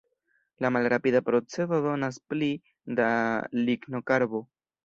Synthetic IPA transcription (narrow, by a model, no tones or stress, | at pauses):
lamalɾapid̪apɾo̞t͡se̞dodo̞nas̬pli | d̪aliɡno̞kaɾbo̞